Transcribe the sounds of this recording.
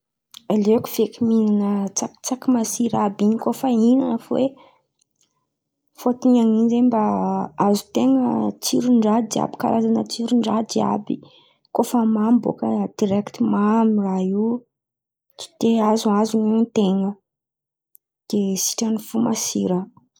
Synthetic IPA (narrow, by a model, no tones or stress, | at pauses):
alekuv̥ekʲiminanət͡sakt͡sakimasiɾabiɲikofəinanəfwe | fot̪iɲaŋinzembaazu̥t̪eŋət͡siɾuɳɖ͡ʐad̪ia̰bi̥ka̰ɾazanət͡siɾuɳɖ͡ʐad̪ia̰bi | kofəmambo̰kəd̪̥iɾɛkt̪imamirai | t͡si̥d̪eazuazunet̪eŋə | d̪̥esi̥ʈ͡ʂanifumasiɾə